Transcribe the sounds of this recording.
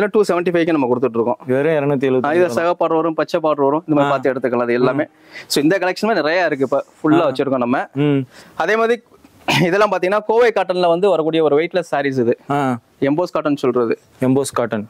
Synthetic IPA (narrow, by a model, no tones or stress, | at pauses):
ɪðɐlːãːʈuːsɛʋɛɳʈifɐɪkːɯnɐmːɐkʊɽɯt̪ːɯʈːɾɯkːʊ̃ʋeːɾẽɛɾɐnɐt̪̬iːlaːɪðɐsɐɣɐpːaːʈʋaːɾʊ̃pɐt͡ʃːɐpːaːʈʋaːɾʊ̃ɪndɐmaðɾipaːɾt̪ːɐɛɽɯt̪ːɯkːɐɭaːɐðɯɛlːaːmeː | soːɪnd̪ɐkɐlɛkʂɐnmaːnɪɾɐjaːɪɾɯk̬ːɯɪpːɐfʊɭːaːʋɐt͡ʃːɯʈɾɯkːõːnɐmːɐ | ɐðeːmaːðɾi | ɪðɛlːãːmpaːɾt̪ĩŋɡɐnaːkoːʋeɪkaːʈːɐnlɐʋɐnd̪ɯʋɐɾɐkːuːɽɪjɐɔɾɯʋɐɪʈːɪlɐsaːɾis̬ɪðɯa | ɛmboːskaːʈːɐnːsɔlrɐðɯ | ɛmboːskaːʈːɐn